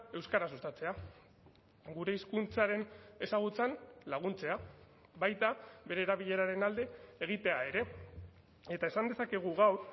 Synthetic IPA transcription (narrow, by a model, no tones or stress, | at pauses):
e̞wskaɾasust̪at͡se̞a | ɡuɾe̞iskunt͡saɾe̞ne̞saɣ̞ut͡sanlaɣunt͡se̞a | βajt̪aβe̞ɾe̞ːɾaβiʎe̞ɾaɾe̞nald̪e̞ːɣ̞it̪e̞ae̞ɾe̞ | e̞t̪ae̞sand̪e̞sake̞ɣ̞uɣaw